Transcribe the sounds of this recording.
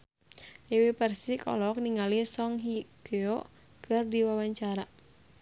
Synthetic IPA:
iwipɛrsikɔ̰lɔk̚niŋalisɔŋɦikeɔ | kʰɨrdiwawaɲt͡ʃaɾa

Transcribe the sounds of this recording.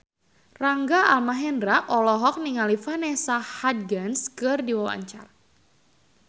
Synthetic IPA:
raŋɡaalmaɦɛndɾakʔɔlɔɦɔk̚niŋalifanɛsahad̚ɡanskɨrdiwawa̰ɲt͡ʃa̰r

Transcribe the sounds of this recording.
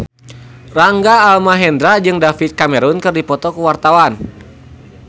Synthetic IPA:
raŋɡaːlmaɦɛndɾad͡ʒɨŋdafit̪̚kamɛɾunkɨrdipɔt̪ɔkuwart̪awan

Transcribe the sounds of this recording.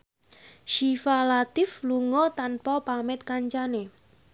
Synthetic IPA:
ʃifalat̪ɪfluŋɔt̪anpɔpamɪt̪̚kaɲt͡ʃane

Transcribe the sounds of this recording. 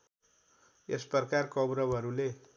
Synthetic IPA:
esprʌrkarkʌbɾʌbɦʌɾule

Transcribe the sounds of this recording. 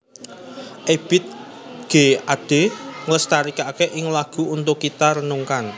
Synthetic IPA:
ʔeb̥ɪt̪̚ | ɡ̥e̤ad̥e̤ŋləst̪aɾikakeʔɪŋlaɡ̥ṳunt̪ʊkːit̪aɾənuŋkan

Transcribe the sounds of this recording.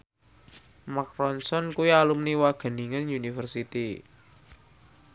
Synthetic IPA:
makɾɔnsɔnkuialumniwaɡ̥ə̤niŋənjunifərsit̪i

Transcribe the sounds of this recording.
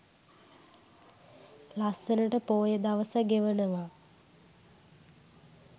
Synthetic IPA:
lasənəʈəpoːjəd̪aʋəsaɡeʋənəʋa

